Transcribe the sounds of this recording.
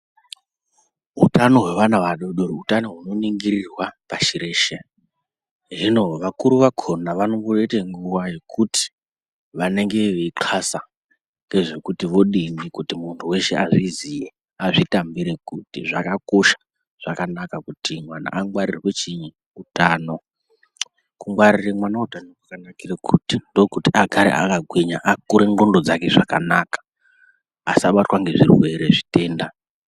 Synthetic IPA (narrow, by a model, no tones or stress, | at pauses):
ɦutano̞ɦwe̞ʋanaʋaɗoɗoɾoutanoɦuno̞niŋɡirirwapaʃiɾe̞ːʃe | ʐino̞ʋakuɾuʋakʰonaʋanoŋɡoreteŋɡuwaje̞kʰuti̥ | ʋane̞ŋɡe̞ʋeiǃʰasa | ŋɡe̞ʐe̞kutiʋo̞ɗindikutimuntʰuwe̞ʃe̞aʐizije | aʐitambiɾekutḭʐakako̞ʃḁ | ʐ̥akanakakutimwana̰ʔaŋɡwaɾirwet͡ʃi | utaːno | kuŋɡwaɾiremwanautanokwakanakirekʰutindo̞kutiʔaɡʱaɾḛʔa̰kaɡʱwiɲaʔakuɾe̞ŋɡondo̞d͡zake̞ʐaka̰naːkḁː | saɓatwaŋɡe̞ʐirwe̞ɾe̞ʐite̞ːnda